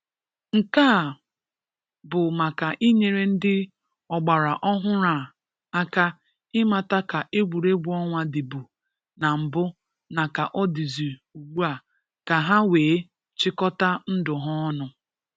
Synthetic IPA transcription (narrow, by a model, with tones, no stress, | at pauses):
ŋ̩˨ka˦˨ | bʊ˨ma˨ka˨ʔi˦ɲe˨ɾe˨n̩˦dɪ˦ | ɔ˨ɡ͡ba˨ɾa˨ʔɔ˦ɦʊ˦ɾa˨ | a˦ka˦ | ɪ˦ma˨ta˦ka˨ʔe˦ɡʷu˨ɾe˦ɡ͡bu˦ɔ˦ŋʷa˦dɪ˨bu˨ | na˨m̩˨bʊ˦ | na˨ka˨ʔɔ˦di˨zi˨u˨ɡ͡bu˦a˨ | ka˨ɦa˦weː˨˦ | t͡ʃɪ˦kɔ˦ta˦n̩˦dʊ˨ɦɔ˦nʊ˨